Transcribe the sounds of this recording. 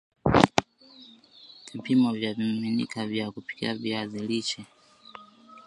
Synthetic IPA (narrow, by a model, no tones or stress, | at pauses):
vipimɔvjavimminḭkʰavjakupi̥kḭaviazilit͡ʃɛ